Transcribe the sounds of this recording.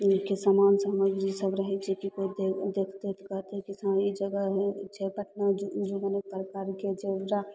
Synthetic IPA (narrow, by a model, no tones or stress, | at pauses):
kesamaːnsəɦməɡɾisəbɾəɦɛt͡ʃʰekikoid̪ed̪ekʰt̪et̪ʰkət̪ekisãid͡ʒəɡəɦɛt͡ʃʰepəʈnad͡ʒoɡənek̚pɾəkaɾked͡ʒeɾa